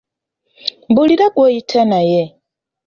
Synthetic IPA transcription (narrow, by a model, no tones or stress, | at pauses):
mbuliɾaɡwojitʰanaje